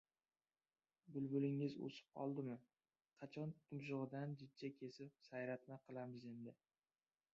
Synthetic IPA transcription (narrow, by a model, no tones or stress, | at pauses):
bʊlbʊlɪŋɪzo̰sɪ̥p̚qʰɒ̰lˠd̪ɪmɪ | qʰɑt͡ʃʰɒnt̪ʰʊmʃ̬ɨʁɨd̪and͡ʒɪd̪̚t͡ʃʰːakʲʰe̞sɪp̚sajɾat̪̚maqʰɨlˠamɪze̞nd̪ɪ